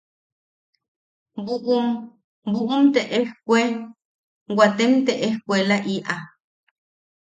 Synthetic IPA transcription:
buʔum | buʔumt̪eʔehkʷe | wat̪emt̪eʔehkʷelaʔiʔa

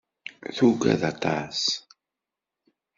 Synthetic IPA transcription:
θuɡæ̰ðɑt̪ˤɑs

